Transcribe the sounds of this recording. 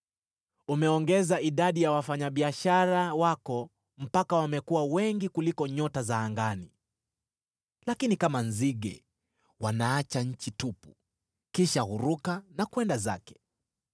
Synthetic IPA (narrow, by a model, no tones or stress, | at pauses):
umɛɔŋɡɛzaiɗaɗijawafaɲaɓiaʃaɾawakɔ | m̩pakawamɛkuwawɛŋɡikulikɔɲɔtazaːŋɡani | lakinikamanziɠɛ̰ | wanaat͡ʃaɲ̩t͡ʃitupu̥̰ | kiʃahuɾukanakwɛndaza̰kɛ̥